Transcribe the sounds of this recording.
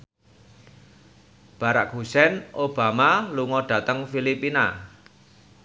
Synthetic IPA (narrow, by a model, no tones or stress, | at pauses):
b̥aɾak̚ɦusɛnʔob̥amaluŋɔɖ̥ä̤t̪əŋfilipina̰